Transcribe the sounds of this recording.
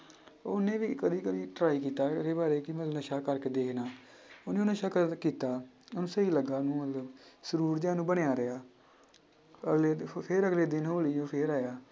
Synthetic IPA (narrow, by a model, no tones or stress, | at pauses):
oːnẽːʋiːkəd̪iːkəʋiːʈɾaːikiːt̪aːɾeːbaːɾeːkɪmət̪lnəʃaːkəɾkeːd̪eːkʰnaː | onẽːnəʃaːkkiːt̪aː | onũːsəiːləɡaːnũːmət̪ləbsəɾuːɾd͡ʒãːnũːbəɽjaːɾɪaː | ɡleːpʰeːɾəɡleːd̪ɪnɦoːliːõːpʰeːɾaːjaː